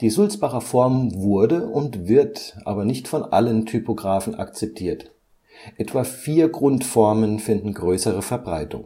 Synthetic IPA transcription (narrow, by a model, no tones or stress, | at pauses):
d̥iːzʊlt͡sb̥aχɐfɔɐmvʊɐdəʔʊntv̥ɪɐtʔa̰ːbɐnɪçtfɔnʔa̰ləntʰypoɡʁaːfn̩a̰kt͡sɛp̚tʰiːɐt | ʔɛtv̥aːfiːɐɡʁʊntfɔɐmənfɪndn̩ɡʁøːsəʁ̞əfɛɐbʁaɪtʰʊ̰ŋ